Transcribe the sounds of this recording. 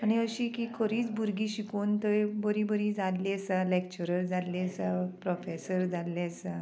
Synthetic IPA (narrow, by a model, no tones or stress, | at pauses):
añiəɕiːkikʰəɾiːt͡sbʱuɾɡiːɕikuːnt̪əɾbəɾibəɾid͡zallesalekt͡ɕuɾəɾd͡zʱalːesapɾɔfesəɾd͡zʱalːeəsa